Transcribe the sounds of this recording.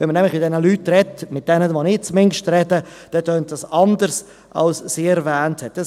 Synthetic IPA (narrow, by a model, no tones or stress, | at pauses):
ʋɛnmənɛmlɪχmɪt̚d̥ɛnəlyːtrɛmɪt̚d̥ɛnəʋonɪt͡smɪŋʃtɾɛdəd̥ɛtøːnt̚d̥ɑsɑnd̪əɾs | ʔɑ̰lssiɛɾvɛːnthɛtdəs